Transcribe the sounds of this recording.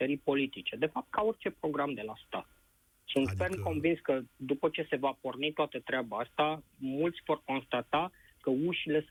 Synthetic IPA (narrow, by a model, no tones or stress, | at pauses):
t̪əɾipo̞lit̪it͡ʃe̞d̪e̞fap̚t̪̚kao̞rʲt͡ʃe̞pɾo̞ɡɾamd̪e̞last̪a̰t̪̚ | sunt̪fernko̞nvinskəd̪upət͡ʃe̞se̞vapornit̪oat̪ət̪ɾeabaast̪amult̪sʲvo̞rko̞nst̪at̪a | kəuʃile̞s